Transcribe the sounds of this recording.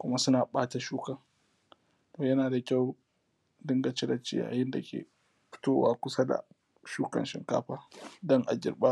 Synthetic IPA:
kʷʊ˦ma˦sʊ˦naː˨ɓaː˦ta˨ʃuː˦kɐ˨ŋ | toː˨jɐ˦naː˨da˨kʲa˦˨w | dɪ˦ŋɡa˨t͡ʃɪ˦dɐ˨t͡ʃɪ̰˦ja̰ː˨jɪ˦nda˨kʲḛː˨ | ɸɪ̥˦toː˦waː˦kʷʊ˦sa˦da̰˨ | ʃuː˦kɐ̰˨nʃɪ̰˨ŋka̰ː˦ɸaː˦dɔ˦ŋʔa˨ɡʲɪ̰˨rɓaː˦

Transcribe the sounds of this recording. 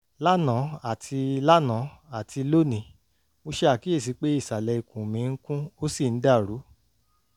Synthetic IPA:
la˦nã˨˦a˦˨tʰi˧la˦nã˨˦ | a˨tʰi˧lo˦nĩ˨˦ | mo˧ʃe˦a˦˨ki˦e˦˨s̬i˨˧k͡pe˦i˦˨sa˨lɛ˨˧i˨kũ˨mĩ˨˦ŋ̩˦kũ˦o˦si˦˨n̩˦da˦˨ɾu˨˦

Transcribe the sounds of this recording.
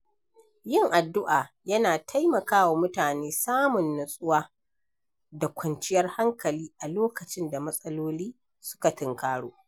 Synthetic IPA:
jɪ˦˨ŋʔa˨dːʊ˦ʔaː˨ | jɐ˦naː˨tʰa˦jmɐ˨kaː˦wa˨mʊ˦taː˨neː˦saː˦mʊ˨nːɐ˨sʼʊ˦waː˦ | da˨kʷɐ˨nt͡ʃɪ˦jɐ˦rha˦ŋkɐ˨liː˦ʔa˨loː˦kɐ˨t͡ʃɪ˦nda˨mɐ˦sʼɐ˦loː˦liː˦ | sʊ̥˦ka˨tɪ˨ŋkaː˦ɽoː˦ʔ

